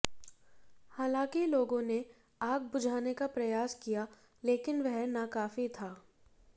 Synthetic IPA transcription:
haːlãːkiloːɡõne | aːɡ̚bʊd͡ʒʱaːnekapɾɐjaːskija | leːkɪnʋɛɦnakaːfit̪ʰaː

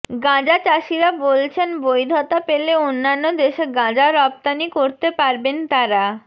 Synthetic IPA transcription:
ɡãd͡ʑat͡ɕaʃiɾabolt͡ɕʰenbojd̪ʱɔt̪apeleonːanːod̪eʃeɡãd͡ʑaɾɔp̚t̪anikoɾt̪epaɾbent̪aɾa

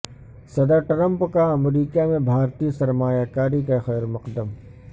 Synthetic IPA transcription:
sɐd̪əɾʈɾə̃mpkaɐmɾiːkamẽbʱaːɾt̪isɐɾmaːjaːkaːɾikaxɛːɾmɐqd̪əm

